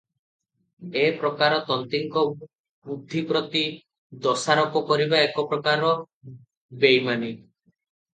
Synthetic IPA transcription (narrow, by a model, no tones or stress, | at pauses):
epɾɔkaɾɔt̪ɔnt̪iŋkɔ | bud̪ʱːipɾɔt̪i | d̪ɔsaɾɔkɔkɔɾibaekɔpɾɔkaɾɔ | bejmani